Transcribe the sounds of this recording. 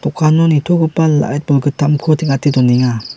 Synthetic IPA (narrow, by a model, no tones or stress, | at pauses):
tɔkʰanɔnitʰɔɡɯpala̰jt̪̚bɔlɡɯtamkʰɔtʰiŋatidɔniŋa